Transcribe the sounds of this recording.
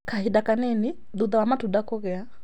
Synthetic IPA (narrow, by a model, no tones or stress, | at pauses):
kahiɗakanɛni | ðuðawamatudakɔɣɛa